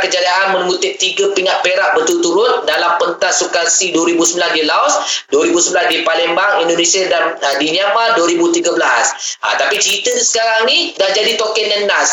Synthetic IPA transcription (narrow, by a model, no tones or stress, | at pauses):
kəd͡ʒadiaʔanməmut̪ɪʔ̚t̪iɡəpiŋaʔ̪̚peɾaʔbət̪ult̪uɾʊt̪̚dalampənt̪asukansiduwəɾibusəmbilandilaɔsduəɾibusəmbilasdipalɛmbaŋindonesiadandiɲamaduəɾibut̪iɡəbəlasʔa̰t̪apit͡ʃəɾit̪əsə̥kaɾaŋnidahd͡ʒadit̪okɛnːənas